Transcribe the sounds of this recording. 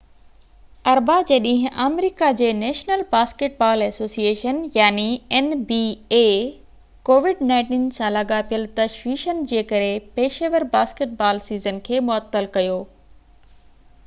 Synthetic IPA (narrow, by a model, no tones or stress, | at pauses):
ɐɾbad͡ʑeːɗĩːɦɪ̃ʔaːmɾiːkad͡ʑeːneːʃnəlbaːskeʈ̚baːlɛsoːsieːʃənjaːniɛnbie | koːʋɪɖnãːɪ̃ʈiːnsãlɐɠapijəlt̪ɐʃʋiːʃənɪ̆d͡ʑeːkɐɾepeːʃəʋəɾbaːskeʈ̚baːlsiːzənkʰeːmʊət̪ːəlkɐjoː